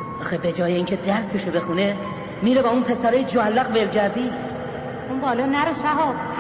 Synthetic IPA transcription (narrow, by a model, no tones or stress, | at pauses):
ɒːxebe̞d͡ʒɒːjeiːŋcʰe̞d̪æɾst̪ʰeʃobe̞xune̞ | miːɾebæːunpʰe̞sæɾeːjed͡ʒoælːæɣbelɟæɾd̪iːd̪ | unbɒːlɒːnæɾoʃæɦɒ